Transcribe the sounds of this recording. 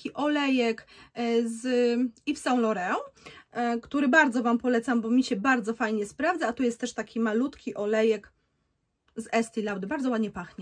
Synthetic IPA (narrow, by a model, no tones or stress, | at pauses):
kʲiʔɔlɛjɛkzifsaw̃lɔɾɛɔ | kt̪uɾɘbaɾd̪zɔvampɔlɛt̪sambɔmʲiɕɛbaɾd̪zɔfajɲɛspɾavzaat̪ɔjɛst̪ːɛʂt̪akʲimalut̪kʲiʔɔlɛjɛk | zɛst̪ilawd̪ɘbaɾdzɔwad̪ɲɛpaxɲɛ